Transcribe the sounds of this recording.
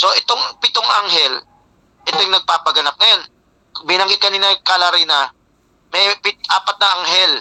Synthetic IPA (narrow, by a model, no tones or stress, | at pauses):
so̞ʔɛt̪oŋpɪt̪oŋʔaŋɦɛl | ʔɛt̪ojŋnɐɡ̚paːpɐɡɐnɐp̚ŋɐjon | bɪnɐŋɡɪt̪̚kɐniːnɐkalɐɾiːnɐ | mɛjpɪtʔaːpɐt̪̚nɐʔaŋɦɛl